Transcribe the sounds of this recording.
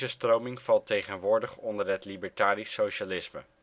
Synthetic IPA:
əstrowmɪŋvɑlˠtejχənʋʊːɹdəχɔndəɹɦətlibəɹtaːrisːowʃalɪsmə̰

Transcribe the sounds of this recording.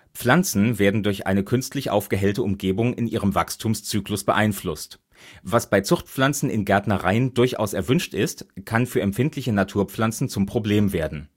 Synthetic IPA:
p͡flant͡sn̩veːɐdn̩dʊɐçʔa̰ɪnəkʰʏnstlɪçʔa̰ʊfɡ̥əɦɛltəʊmɡeːbʊŋɪnʔiːʁ̞əmvakstʰuːmst͡syːklʊsb̥əʔaɪnflʊst | vasb̥aɪt͡sʊχt̚p͡flant͡sn̩ɪnɡɛɐtnɐʁaɪəndʊɐçʔa̰ʊsɛɐvʏnʃtɪstkʰanfyːɐɛmpfɪntlɪçənatʰuːɐp͡flant͡sn̩t͡sʊmpʁ̥obleːmveːɐdn̩

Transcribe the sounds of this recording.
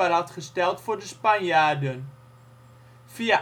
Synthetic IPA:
arɑtχəstɛlˠtfʊːɹdəspanjaːrdən | fia

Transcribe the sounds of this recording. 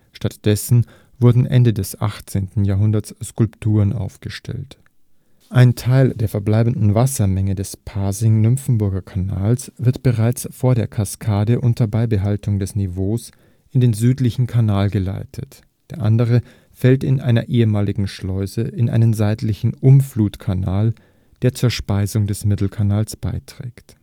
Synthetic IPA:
ʃtatd̥ɛsn̩ | vʊɐdn̩ʔɛ̰ndədɛsʔa̰χt͡seːntn̩jaːɐɦʊndɐtssːkʊlptʰuːʁənʔa̰ʊfɡ̥əʃtʰɛ̰lt | ʔaɪntʰaɪldeːɐfɛɐblaɪbn̩dn̩vasɐmɛŋədɛspʰaːzɪŋnʏmfm̩bʊɐɡɐkʰana̰ːlsv̥ɪɐtb̥əʁaɪt͡sfoːɐdeːɐkʰaskʰaːdəʔʊntʰɐbaɪbəɦaltʊŋdɛsnevoːs | ʔɪndeːnzyːtlɪçn̩kʰanaːlɡəla̰ɪtʰət | d̥eːɐʔandəʁ̞ə | fɛltɪnʔa̰ɪnɐ̰ʔeːəmaːlɪɡŋ̩ʃlɔʏzəʔɪnʔa̰ɪnənzaɪtlɪçn̩ʔʊmfluːtkʰanaːl | d̥eːɐt͡suːɐʃpaɪzʊŋdɛsmɪtl̩kʰanaːlsb̥a̰ɪtʁ̥ɛ̰ːkt

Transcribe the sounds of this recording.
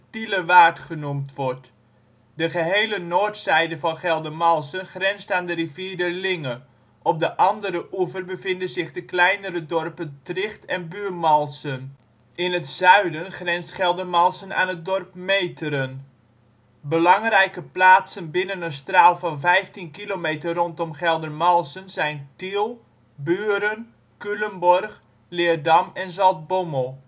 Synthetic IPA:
tiləʋaːtχənumtʋɔrt | dəχəɦeːlənoːrtsɛjdəvɑnχɛlˠdəmɑlˠsənχrɛnstaːndəriviːɹdərlɪŋə | ʔɔp̚dəʔɑndəɾəʔuvərbəvɪndənzɪχdəklɛjnəɾədɔrpəntrɪχtɛnbyːrmɑlˠsən | ɪnətsœɥdənχrɛnsχɛlˠdərmɑlˠsəna̰ːnət̚dɔrpmejtʰəɾən | bəlɑŋrɛjkəplaːtsənbɪnənənstraːlˠfɑnvɛjftinkilomeːtərɔntɔmχɛlˠdərmɑlˠsənzɛjntilˠ | byːɾən | kyləmbɔrx | lɪːərdɑmɛnzɑlˠt̚boməlˠ

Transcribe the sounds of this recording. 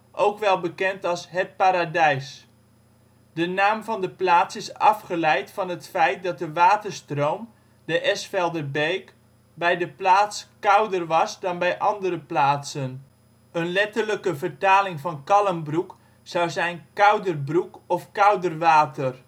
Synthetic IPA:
ʔowkʋɛlˠbəkɛntɑlˠsɦət̚paːɾadɛjs | dənaːmvɑndəplaːsɪsɑfχəlɛjtfɔnɦətfɛjt̚dɑt̚dəʋaːtərstrowm | dəʔɛsfɛlˠdərbejk | bɛjdəplaːtskawdərʋɑsdɔnbɛjʔɑndəɾəplaːtsən | ənlɪtərləkəvərtaːlɪŋvɑnkɑlˠəmbruk | sawzɛjnkawdərbrukɔfkawdərʋaːtʰər

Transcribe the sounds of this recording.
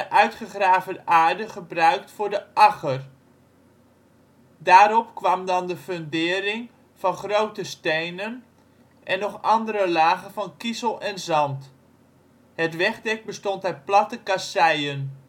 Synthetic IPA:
əʔœɥtχəχraːvəʔaːɹdəχəbrœɥktfʊːɹdəʔɑχər | daːɾɔpkʋɑmdɑndəføndɪːəɾɪŋ | fɑnχrowtəstejnən | ʔɛnːɔχɑndəɾəlaːɣənfɑnkizəlˠɛnzɑnt | hətʋɛχdɛk̚bəstɔntɛplɑtəkasɛjən

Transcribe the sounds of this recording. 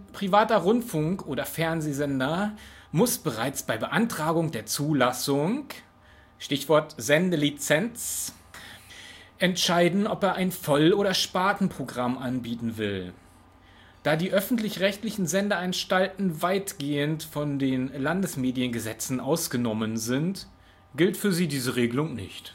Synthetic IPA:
pʁ̥ivaːtɐʁʊntfʊŋkʔoːɾɐfɛɐnzeːzɛndɐmʊsb̥əʁaɪt͡sb̥aɪbəʔantʁ̥aːɡʊŋdeːɐt͡suːlasʊŋ | ʃtɪçv̥ɔɐtz̥ɛndəlit͡sɛnt͡s | ʔɛntʃaɪdn̩ɔpeːɐʔaɪnfɔloːɾɐʃpaːtn̩pʁ̥oɡʁamʔanbiːtn̩vɪl | d̥aːdiːʔœfn̩tlɪçʁɛçtlɪçn̩zɛndəanʃtaltn̩vaɪtɡ̥eːəntfɔndeːnlandəsmeːdiənɡəzɛt͡sn̩ʔaʊsɡ̥ənɔmənzɪnt | ɡ̥ɪltfyːɐziːdiːzəʁeːɡəlʊŋnɪ̰çt

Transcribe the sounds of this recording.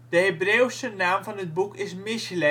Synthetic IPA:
d̥əɦebrewsənaːmvɑnɦət̚bukɪsmɪslɛ

